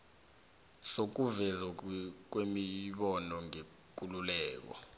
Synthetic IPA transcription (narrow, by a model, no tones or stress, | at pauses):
sok̬uvɛzak̬wemiɓɔnɔŋe | k̬ululɛːk̬ɔ̰